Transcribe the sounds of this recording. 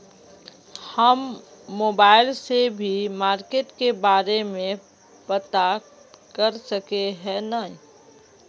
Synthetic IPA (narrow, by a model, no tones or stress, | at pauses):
həmː | oːbaːɪlsebʱimaːɾkeːʈkebaːɾemẽ | pət̪a | kəɾsəkeɦɛ̃nəɦĩ